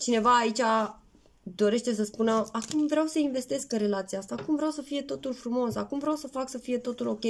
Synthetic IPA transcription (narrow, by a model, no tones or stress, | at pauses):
t͡ʃine̞vaːit͡ʃʲa | d̪o̞ɾe̞ʃt̪e̞səspunəakumvɾeawsəinve̞st̪e̞skɨnre̞lat̪siaast̪aːkumvɾeawsəfije̞t̪o̞t̪ulfɾumo̞sakumvɾeawsəfaksəfije̞t̪o̞t̪ulo̞kʲe̞j